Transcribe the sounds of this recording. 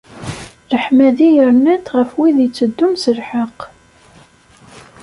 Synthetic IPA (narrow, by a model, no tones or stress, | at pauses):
ɾəħmæðijəɾnət̪ʁəfwiðit͡sːəd̪ːumsəlħəq